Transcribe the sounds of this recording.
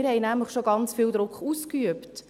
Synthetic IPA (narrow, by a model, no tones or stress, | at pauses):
ɪɾhɛɪjnæmləχʃoɡɑnt͡sfiːld̥̪ɾʊkχuːskyəpt